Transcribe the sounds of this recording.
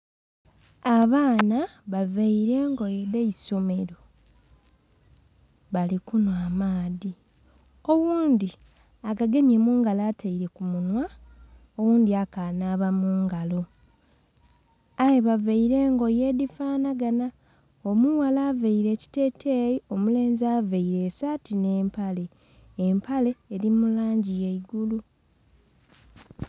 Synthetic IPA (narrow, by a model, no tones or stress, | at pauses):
aβaːnaβaveiɾe̞ːŋɡo̞jedeiso̞me̞ɾo | βalikunwaːmaːði | o̞wuːnd̪i | akaɡe̞mjemuːŋɡalaːtʰaiɾe̞kumunwa | owuːnd̪iakanaːβamuːŋɡalo̞ | aweβaveiɾe̞ːŋɡo̞je̞ːdifaːnaɡana | omuwalaːveiɾe̞ci̥te̞ːtʰejio̞mule̞ːnzaveiɾe̞satine̞ːmpale̞ː | mpʰale̞ːɾimulaːɲɟije̞iɡulu